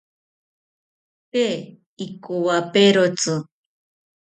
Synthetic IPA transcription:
pe | ikuwapeɾot͡sʊ

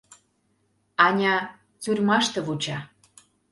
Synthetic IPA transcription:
ɑnʲɑ | t͡surʲmɑʃt̪ɤ̆βut͡ɕɑ

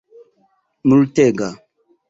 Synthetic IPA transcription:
multeɡa

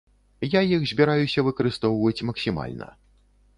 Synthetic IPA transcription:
jajixzʲbʲɛɾajusʲɐvɨkɐɾɨst̪ɔwvɐt͡sʲmɐksʲima̰lʲnɐ̰

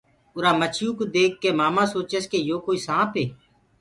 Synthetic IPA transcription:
ʊɾaːmət͡ʃʰjuːkod̪eːkːeːmaːmãːsoːt͡ʃəskeːjoːkoːiːsãːpʰɦeː

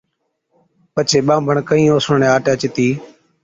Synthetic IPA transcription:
pət͡ʃʰeːɓãːbʱəɳkəĩːoːsʊɳɳeːaːʈeət͡ʃɪt̪iː

